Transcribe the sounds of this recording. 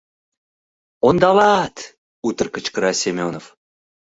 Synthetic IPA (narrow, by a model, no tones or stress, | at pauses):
ond̪ɑlɑt̪ | ut̪ə̆rkə̆t͡ɕkəɾɑsʲemʲonof